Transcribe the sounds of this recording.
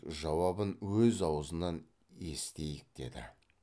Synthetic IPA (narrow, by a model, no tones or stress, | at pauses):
ʒɑwɑbənwɵzɑwəzənɑn | e̞st̪e̞jɪk̚d̪̥e̞̰d̪ɪ̰